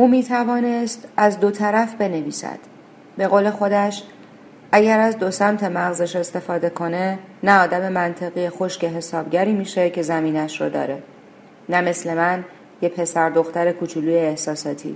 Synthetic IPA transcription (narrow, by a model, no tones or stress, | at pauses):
ʔuːmiːt̪ʰævɒːnest̪æzd̪o̞t̪ʰæɾæfbe̞ne̞viːsæ̰d̪̥ | be̞ɣoːle̞xo̞d̪æʃ | ʔæɟæɾæzd̪osæmt̪ʰe̞mæɣzeʃe̞st̪e̞fɒːd̪e̞kʰo̞ne̞næɒːd̪æme̞mænt̪ʰe̞ɣijexo̞ʃce̞ɦe̞sɒːb̥ɟæɾiːmiːʃe̞cʰe̞zæmiːnæʃɾod̪ɒ̰ːɾe̞ | næme̞sle̞mæn | jepʰe̞sæɾd̪oxt̪æɾe̞kʰut͡ʃʰuluːjeːhsɒːsɒːt̪ʰḭː